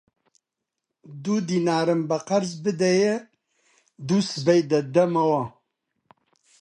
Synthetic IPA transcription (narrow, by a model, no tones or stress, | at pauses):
d̪ud̪iːnaːɾɨmbɐqɐɾzbɨd̪ɛjɛ | d̪usɨbɛjd̪ɐd̪ɛmɐwɑ